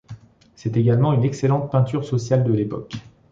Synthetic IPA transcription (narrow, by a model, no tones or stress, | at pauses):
sɛt̪eɡalmɑ̃ynɛkselɑ̃t̪̚pɛ̃t̪yʁsɔsjald̪əlepɔ̰k